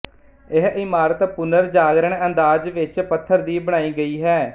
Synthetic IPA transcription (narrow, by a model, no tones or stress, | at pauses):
ɪɦɪmaːɾət̪pʊnəɾd͡ʒaːɡɾəɳənd̪aːd͡ʒʋɪt͡ʃpət̪ʰːəɾd̪iːbəɽ̃aːiːɡəiːɦɛː